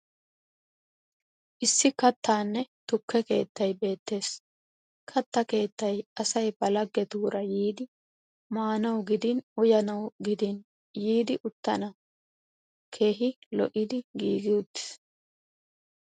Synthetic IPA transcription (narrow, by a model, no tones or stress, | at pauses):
ʔɪsːɪkɐt̪ʰːaːnːɛt̪ʊkːɛke̞ːt̪ːɐjbe̞ːt̪ːe̞ːs | kʰɐt̪ːɐke̞ːt̪ːɐjɐsɐjbɐlɐɡːɛd̪uːɾɐjiːd̪ɪ | maːnɐwɡɪd̪ɪnʊjɐnɐwɡɪd̪ɪn | jiːd̪ɪʔʊt̪ːɐnɐ | kʰe̞ːɦɪlɔ̰ʔɪd̪ɪɡiːɡɪʊt̪ːɪ̥s